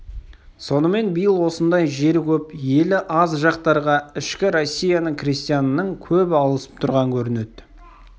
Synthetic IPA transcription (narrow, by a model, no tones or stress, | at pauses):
so̞nəme̞nbəjəlˠwo̞sənd̪ɑjʒe̞ɾkʲɵpje̞lɪʔɑzʒɑqt̪ɑɾʁɑɪʃkʲɪɾo̞sʲːijanəɴkrist̪ijanənəɴkʲʰɵbɪɑlˠəsə̥p̚t̪ʰʊɾʁɑŋkʲʰɵɾɪne̞d̪ɪ